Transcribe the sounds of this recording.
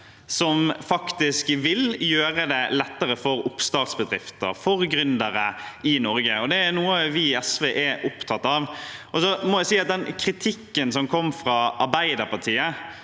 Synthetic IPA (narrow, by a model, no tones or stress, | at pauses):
sɔmfɑkt̪ɪskʋɪljøːɾəd̪ɛlɛt̪ːəɾəfɔɾʊpːst̪ɑːt̪sbəd̪ɾɪft̪ə̰ɾfɔɾɡɾʏnd̪əɾəɪnɔɾɡəɔd̪ɛæɾnuːəʋɪɛsʋeːʔæʔʊpt̪ʰɑt̪ːɑʋʔɔsɔmɔjæɪsiːɑt̪̚d̪ɛnkʰɾɪt̪ʰɪkːənsɔmkʰɔmːfɾɑɑɾbæɪd̪əɾpʰɑt̪ʰiːə